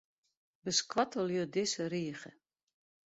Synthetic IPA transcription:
bəskwɔtʰəlˠjodɪsəriəχə

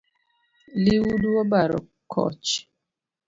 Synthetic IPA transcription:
liwuduɔbaɾɔ̰ | kʰɔ̰t͡ʃ

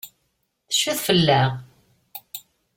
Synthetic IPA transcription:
θə̥ʃːuðfəlːæ

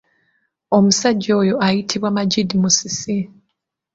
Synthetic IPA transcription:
omusaɟoːjoʔajitʰiβwamaɟidimusisi

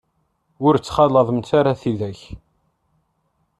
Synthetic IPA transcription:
ʊɾt͡sːχɑləðˤəmt̪aɾaθiðæç

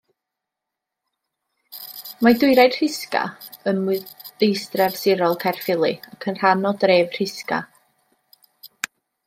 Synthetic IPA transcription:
madʊɨɾajd̥r̥ɪska̰ənmʊɨðejstrɛvsɪɾɔlˠkʰarfɪlˠɨakʰənr̥anɔdreːvr̥ɪska̰

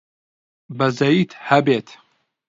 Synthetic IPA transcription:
bɐzɐjiːt̪hɐbet̪

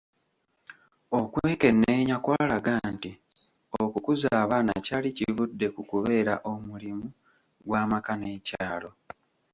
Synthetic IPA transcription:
o̞kweːke̞nːeːɲakwaːlaɡanti | okukuzaːβaːna̰caːlicivudːe̞kukuβe̞ːɾa̰ʔo̞mulimu | ɡwaːmakane̞ːcaːlo̞

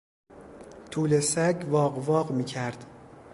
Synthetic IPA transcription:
t̪ʰuːle̞sæɟvɒːɢvɒːɢmiːcʰæɾd̪̥

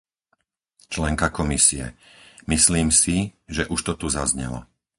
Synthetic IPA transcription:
t͡ʃlɛŋkakɔmisiɛ̰misliːmsiʒɛʔuʃt̪ɔt̪uzazɲɛ̰lɔ̰

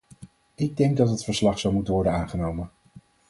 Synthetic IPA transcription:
ɪɡ̚dɛŋɡ̚dɑtɦətfəɹslɑχsɑwmutənʋɔɹdənaːnχənowmən

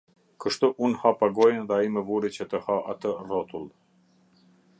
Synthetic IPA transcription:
kəʃt̪uʔunhapaɡɔjnðɛaimɛvuɾit͡ɕət̪əhaʔa̰t̪ərɔt̪ulˠ

